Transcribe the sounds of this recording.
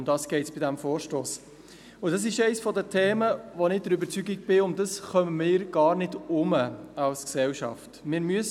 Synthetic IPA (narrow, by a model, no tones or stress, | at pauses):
ndɑːsɡ̥ɛɪtsb̥ɪdæmfoːɾʃtoːs | ʊd̥ɑs̬ɪʃɛɪsfɔdətʰeːməʋonɪd̥əɾʏbəɾt͡syɡiɡ̚b̥ɪʊmd̥ɑsχœməmɪːɾɡ̥ɑːɾnɪdʊməɑlsksɛwʃɑ̰ftmɪːɾmyəs